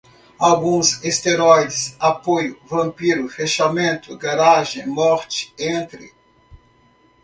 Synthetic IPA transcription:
awɡũzest̪eɾɔjd͡ʒɪsapojʊvɐ̃mpiɾʊfeʃamẽnt̪ʊɡaɾaʒẽj̃mɔɾt͡ʃɪ̥ẽnt̪ɾɪ̰

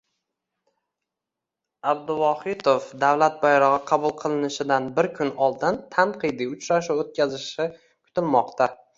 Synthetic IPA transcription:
ab̚d̪ʊwɒhɪt̪ʰofd̪awlat̪̚bajɾɒʁɨqʰɑbʊlˠqʰɨlˠɪnɪʃɪd̪anbɪɾkʲʰʊnɒlˠd̪ɪnt̪ʰanqʰɨjd̪iʊt͡ʃɾaʃuot̪̚kʲazɪʃɪ | kʰʊ̥t̪ʰɪlmɒqt̪ʰa

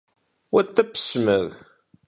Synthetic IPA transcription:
wæt̪ːæpːə̥sməð

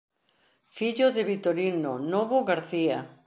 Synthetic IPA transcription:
fiʎoðeβit̪oɾinonoβoɣaɾθia

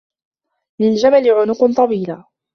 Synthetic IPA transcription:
lɪld͡ʒamalɪʕʊnʊqnt̪ˤɑwiːla

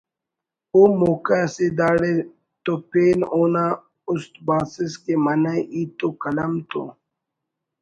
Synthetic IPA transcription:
oːmoːkased̪aːɽe | t̪oːpeːnoːna | ʊst̪̚baːsiskemɐnaʔiːt̪okɐlɐmt̪o̰ː

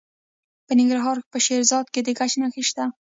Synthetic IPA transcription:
pənɪŋɡɾaɦɑɾpəʃeɾzɑd̪̚ked̪əɡat͡ʃnaxiʃt̪a

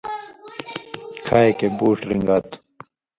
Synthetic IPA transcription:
kʰaːekebuːʂɾiŋɡat̪u̥

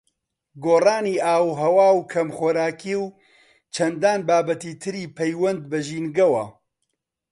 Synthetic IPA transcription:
ɡoːraːniːʔaːwɦɐwaːwkʰɐmxoːɾaːkiːw | t͡ʃʰɐnd̪aːnbaːbɐt̪iːt̪ʰɨɾiːpʰɛjwɐnd̪bɐʒiːnɡɐwɐ̰

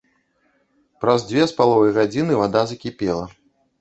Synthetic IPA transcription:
pɾɐzd͡zʲvʲɛspalˠɔvɨjɣad͡zʲinɨvad̪azɐkʲipʲɛlˠɐ

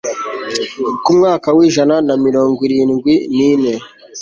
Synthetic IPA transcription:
kumŋaːkawiːʒananamiɾo̞ːŋɡwiɾiːnɡwiniːne̞

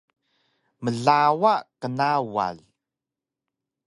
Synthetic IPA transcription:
məɮawakənawa̰l

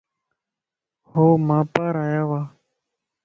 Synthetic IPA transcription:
hoːmãːpaːɾaːjaːʋaː

